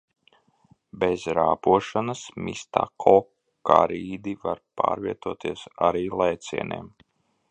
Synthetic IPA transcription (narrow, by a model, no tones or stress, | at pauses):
bezɾaːpuɔʃanasmḭst̪a̰kʰɔ | ka̰ɾiːd̪ivaɾpa̰ːɾviɛt̪uɔt̪iɛsaɾiːlˠajt̪sʲḭɛnḛːm